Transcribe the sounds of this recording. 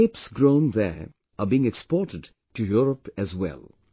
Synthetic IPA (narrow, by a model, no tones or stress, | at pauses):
ɪpsɡɹõʊ̃nðɛ̰ | ʔəbiɪ̃ŋɛkspɔːtɨd | tujuɹəpɨzwɛ̰lˠ